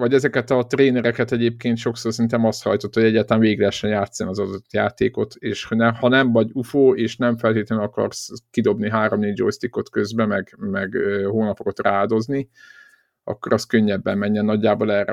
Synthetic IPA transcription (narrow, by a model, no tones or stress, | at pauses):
vɒɟɛzɛkɛt̪ɒt̪reːnɛɾɛkɛt̪ɛɟeːp̚keːnt̪ʃo̞ksoːrsint̪ɛmɒst̪hɒ̰jt̪o̞t̪ːhoɟɛɟːaːlt̪lanveːɡiɡlɛɦɛʃːɛnjaːt̪sːɒnɒzɒd̪o̞t̪jaːt̪eːko̞t̪eːʃhnɛhɒnɛɱvɒɟufoːeːʃnɛɱfɛlt̪eːt̪lɛnyɒkɒ̰rskid̪o̞bniɦaːɾomnid͡ʒo̰jst̪ikːo̞t̪kø̞zbɛmɛɡmɛɡøhoːnɒpokot̪raːd̪o̞zni | ɒ̰kːo̞ɾɒskø̞ɲːɛbːɛmmɛɲːɛnːɒɟːaːboːlɛːrɛ̰